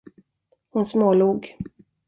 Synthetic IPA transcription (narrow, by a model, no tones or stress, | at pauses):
hʊnsmoːluːɡ